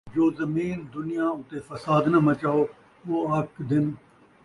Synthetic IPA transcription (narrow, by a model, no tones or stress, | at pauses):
d͡ʒoːzəmiːnd̪ʊnɪjãːʊt̪efɐsaːd̪nəmət͡ʃaːoː | ʋoːɐkʰd̪ɪn